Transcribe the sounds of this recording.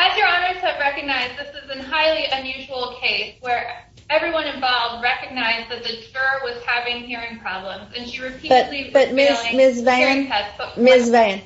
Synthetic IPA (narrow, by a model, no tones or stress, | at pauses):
ɨzjə˞ɑnə˞z̥ɨvɹɛkɨɡ̚naɪzðɪsɨzɨ̃nɦaɪlˠiʔɨ̃njʉʒul̩ˠkʰeɪswə˞ | ɛvɹiwʌ̃ñɨ̃ɱvɑlˠvd̚ɹɛkɨɡ̚naɪzðɨt̪̚ðɨd͡ʒɜ˞wʌz̥hævɪ̃ŋhiɹɪ̃ŋpʰɹ̥ɑblə̃mzɨ̃nʃiɹɨpʰib̥ʌtib̥ʌt̚mɪzmɪs̬vẽnɛmɪsveɪɨ̃n